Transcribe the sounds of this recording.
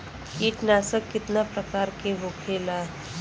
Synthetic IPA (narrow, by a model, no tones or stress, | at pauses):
kiːʈnaːsəkːɪt̪napɾəkaːɾkeɦokʰelaː